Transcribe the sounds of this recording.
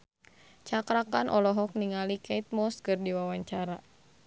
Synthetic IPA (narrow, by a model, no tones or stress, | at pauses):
t͡ʃakɾakanʔɔlɔɦɔk̚niŋalikɛit̪̚mɔskɨrdiwawaɲt͡ʃaɾa